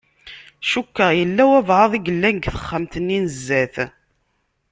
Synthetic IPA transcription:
ʃukːəʁjəlːæwævʕɑðˤiɡəlːænɡθə̥χːəmt̪ənːinəzːæθ

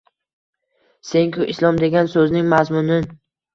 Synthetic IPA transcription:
se̞ŋkʰʊʔislˠɒmd̪eɡʲansɵznɪŋmazmʊnɪn

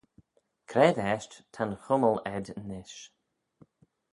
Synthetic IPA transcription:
kʰɾɛdɛːʃtt̪ʰanxʊməlɛd̪nɪʃ

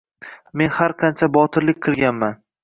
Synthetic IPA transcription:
me̞nhaɾqʰɑnt͡ʃʰabɒt̪ʰɪɾlɪk̚ʲqʰɨlˠɡʲanman

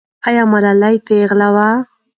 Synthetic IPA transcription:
ajamaɾalajt̪eɣlawa

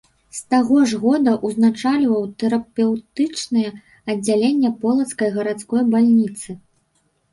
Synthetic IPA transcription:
st̪aɣɔʐɣɔd̪ɐʔuznat͡ʂalʲvɐwt̪ɛɾɐpʲɛwt̪ɨt͡ʂnɨjɛ | ɐd͡zʲːalʲenʲːɛpɔlˠɐt̪skɐjɣɐɾat̪skɔjbalʲnʲit̪sɨ

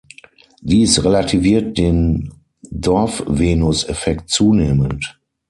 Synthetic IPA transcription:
d̥iːsʁelatʰiviːɐt̚d̥eːn | dɔɐfveːnʊsɛfɛk̚tt͡suːneːmənt

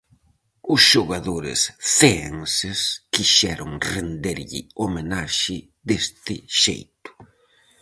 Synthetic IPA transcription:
ʊsʃoɣaðoɾɪ̰sfeeŋseskiʃɛɾʊŋrend̪eɾʎḭomenaʃɪ | d̪est̪ɪ̰ʃḛjt̪ʊ̥

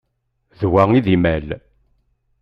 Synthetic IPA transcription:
ðwæiðimæl

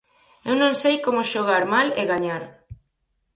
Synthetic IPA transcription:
ewnõŋsejkomʊʃoɣ̞aɾmaleɣaɲaɾ

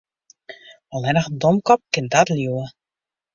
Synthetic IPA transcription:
ɔlˠɛnəxdɔmkɔp̚kɪndatljuwə

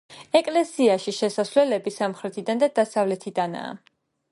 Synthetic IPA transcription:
ɛkʼlɛsiaʃiʃɛsaswlɛlɛbisamχɾɛt̪ʰid̪and̪ad̪asavlɛt̪ʰid̪ana̰ː

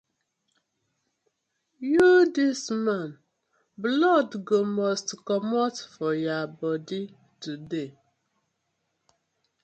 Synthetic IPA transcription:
judismãn | blɔdɡomɔstkɔmɔtfɔjabɔdi | tude

